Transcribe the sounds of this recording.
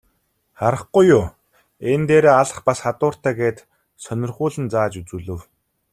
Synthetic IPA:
χaɾə̆χɡujʊː | ent̪eːɾeːaɮə̆χpasχat̪ʊːr̥t̪æːɡeːt̪ | sœnʲɪ̆rχʊːɮɘ̆nt͡saːt͡ɕut͡suːɮɵ̆w

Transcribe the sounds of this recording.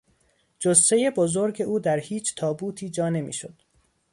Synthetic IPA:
d͡ʒossejebozo̞ɾɟe̞ʔuːd̪æɾhiːt͡ʃʰt̪ʰɒːbuːt̪ʰiːd͡ʒɒːne̞mḭːʃod̪̥

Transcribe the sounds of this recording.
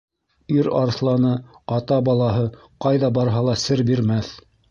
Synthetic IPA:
iɾɑɾθlˠɑnɤ | ɑt̪ɑbɑlˠɑɦɤ | qɑjðɑbɑɾɦɑlˠɑsɘɾbiɾmæθ

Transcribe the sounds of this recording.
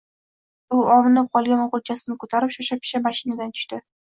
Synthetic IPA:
ʊɒwɨnɪp̚qʰɒlˠɡʲanoʁʊlt͡ʃʰasɪnɪkʰot̪ʰaɾɪpʃaʃap̚ɪ̥ʃamaʃɪnad̪ant̪ʰʊ̥ʃt̪ɪ

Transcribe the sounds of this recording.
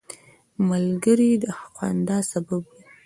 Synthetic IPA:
malɡəɾid̪əahqwɑ̰nd̪ɑsababwi

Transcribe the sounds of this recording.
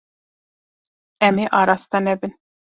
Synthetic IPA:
æmiʔɑɾɑst̪ɑnɛbin

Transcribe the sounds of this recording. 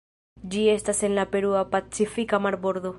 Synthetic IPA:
d͡ʒie̞stase̞nlape̞ɾuapat͡sifikamaɾbo̞ɾd̪o̞

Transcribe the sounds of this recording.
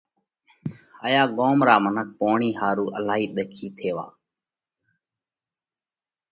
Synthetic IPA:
həːjaːɠoːmɾaːmənək̚poːɳiːɦaːɾuːʔəlaːɦiːɗ̪əkʰiːt̪ʰeːʋa̰ː

